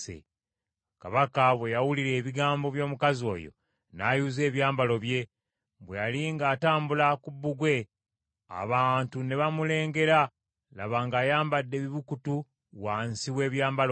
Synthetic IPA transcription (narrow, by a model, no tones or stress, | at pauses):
ḛ | kaβakaβwe̞jawuliɾe̞ːβiɡaːmbo̞βjo̞ːmukazio̞̰ːjo̞̰ | naːjuːze̞ːβjaːmbalo̞βje̞ | βwejaliŋɡaːtaːmbulakubːuɡwe̞ | a̰βaːntune̞βamule̞ːŋɡe̞ɾa | laβaːŋɡaːjaːmbadːe̞βiβukutu | wansiwe̞ːβjaːmbalo